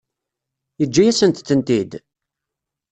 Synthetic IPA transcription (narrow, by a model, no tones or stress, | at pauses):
jəd͡ʒːæjæsənt̪θːənt̪id̪